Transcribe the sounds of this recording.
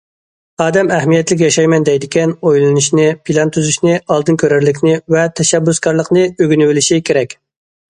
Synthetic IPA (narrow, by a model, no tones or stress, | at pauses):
ɑːd̪ɛmæhmijɛt̪lɪk̬ʲjɑʃɑjmɛnd̪ɛjd̪ɪkʲɛnojlˠɨnuʃnɪpʰilˠɑnt̪ʰyzyʃnɪɑlˠd̪ɨnkʲʰøɾæɾlɪkʲnɪvɛt̪ʰɛʃɛbːʊskɑɾlˠəqnɨøɡʲnywɪlɪʃikʲʰeɾɛkʲ